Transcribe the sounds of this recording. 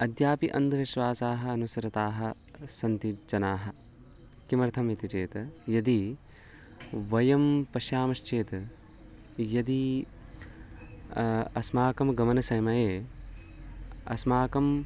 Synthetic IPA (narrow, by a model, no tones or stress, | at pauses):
ɐd̪ʱjaːpiʔɐ̰nd̪ʱɐʋiʃʋaːsaːɦɐ̆ɐnusɐɾɐt̪aːɦɐ̆ | sɐnt̪id͡ʒɐnaːɦɐ̆ | kimɐɾt̪ʰɐmit̪it͡ʃeːt̪ɐjɐd̪i | ʋɐjɐmpɐʃaːmɐʃt͡ʃeːt̪ɐ | jɐd̪i | ɐsmaːkɐmɡɐmɐnɐsɐjmɐjeː | ɐ̰smaːkɐm